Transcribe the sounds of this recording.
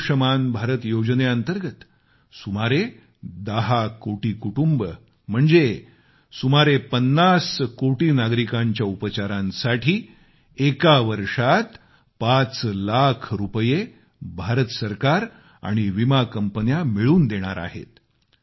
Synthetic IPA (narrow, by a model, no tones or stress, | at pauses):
ʂəmanbʱaɾət̪jod͡ʑneənt̪əɾɡət̪ | sumaɾe | d̪əɦakoʈiːkuʈumbə | m̤əɳd͡ze | sumaɾepənːaskoʈiːnaɡɾikaɲt͡ɕjaupət͡ɕaɾãnsaʈʰiː | ekaʋəɾʂat̪ | pat͡slakʰɾupəje | bʱaɾət̪səɾkaɾ | a̰ɽ̃iʋimakəmpənjamiɭuːnd̪eɽ̃a̰ɾa̰ɦḛt̪